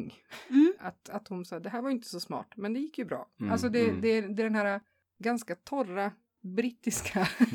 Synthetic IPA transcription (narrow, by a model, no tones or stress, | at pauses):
ŋː | a̰t̪at̪hʊnsɑːd̪ɛɦæːɾvaɾʏɪnt̪ə̥sɔsmɑ̰ːʈmɛnd̪ɛjɪkːjɵbɾɑ̰ːalsɔd̪ɛd̪ɛd̪ɛd̪ɛnɦæːɾa | ɡanskat̪ʰɔrːa | bɾiːt̪ːɪskʰa